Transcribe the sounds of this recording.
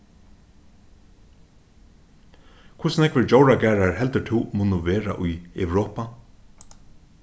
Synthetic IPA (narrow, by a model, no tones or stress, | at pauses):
kʰʊsnɛkvəd͡ʒowɹaɡæːɹaɹhɛlt̪ət̪ʰɪwmʊnʊʋeːɹa̰ʔʊjɛ̰wɾɔːpa